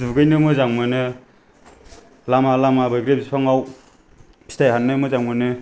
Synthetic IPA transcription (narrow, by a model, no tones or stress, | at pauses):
duɡɯjnɯmɯzaŋmɯnɯ | lamalamabajɡɾep̚zipʰaŋaw | pʰi̥stʰajɦanːɯmɯzaŋmɯnɯ